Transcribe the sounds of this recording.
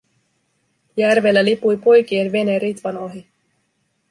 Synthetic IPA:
jærʋe̞lːælipujpo̞jk̟ie̞nʋe̞neɾit̪ʋɑnoɦi

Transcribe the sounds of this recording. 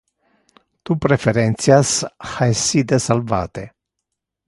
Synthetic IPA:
t̪upɾefeɾent̪sijasxajsid̪esalva̰ːt̪e

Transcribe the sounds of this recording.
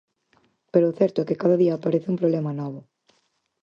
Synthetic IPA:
peɾoːθɛɾt̪ʊɛkɪkaðɐðiaːpaɾeθɪũmpɾoβlɛmɐnɔβʊ

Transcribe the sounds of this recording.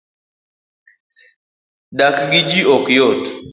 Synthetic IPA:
dakɡid͡ʒiɔkjot

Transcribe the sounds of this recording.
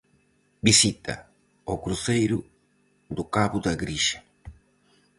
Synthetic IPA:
bisit̪ʰɐ̰ | okɾuθejɾu | d̪ukaβud̪aɡɾiʃḁ

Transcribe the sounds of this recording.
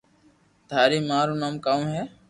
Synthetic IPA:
d̪ʱaːɾiːmaːɾuːnaːmkaːũːɦeː

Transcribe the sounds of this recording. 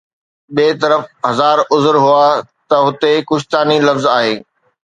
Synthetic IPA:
ɓeːt̪ɐɾəfɦɐzaːɾʊzʊɾɦʊat̪ɐɦʊt̪ekʊʃt̪aːnilɐfzaːɦeː

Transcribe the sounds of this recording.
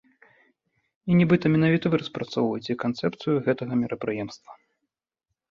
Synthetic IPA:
inʲɛbɨt̪ɐmʲɛnavʲit̪ɐvɨɾɐspɾat̪sɔwvɐjɛt͡sʲɛkant̪sɛpt̪sɨjuɣɛt̪ɐɣɐmʲɛɾʔɐpɾɨjɛmst̪vɐ̥

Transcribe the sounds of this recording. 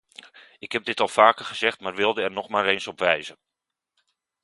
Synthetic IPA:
ɪkɦɛb̚dɪtɑlˠfaːkəχəzɛχtmaːrʋɪlˠdəɛrnɔχmaːɾensɔpʋɛjzən

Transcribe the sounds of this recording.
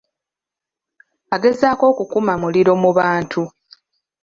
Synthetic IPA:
aɡe̞zaːko̞ːkukumamuliɾo̞muβaːntʰu

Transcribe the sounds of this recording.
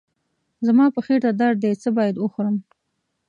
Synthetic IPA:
zamɑpəxeɾt̪ad̪aɾd̪et͡səbɑjad̪wəxʊɾəm

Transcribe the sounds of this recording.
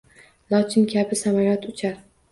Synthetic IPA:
lˠɒt͡ʃ̪ʰɪnkʲʰabɪsamaɾat̪ʰʊt͡ʃʰaɾ

